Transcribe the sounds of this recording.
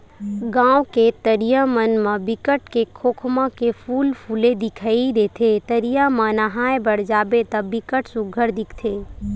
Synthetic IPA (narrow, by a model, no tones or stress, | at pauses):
ɡãːwket̪əɾijamənmə̃bɪkəʈkekʰoːkʰmãkepʰuːlpʰuːled̪ɪkʰaid̪eːt̪ʰet̪əɾijamãnɐɦaːebəɽd͡ʒaːbet̪ɐbɪkəʈsʊɡʱəɾd̪ɪkʰt̪ʰeː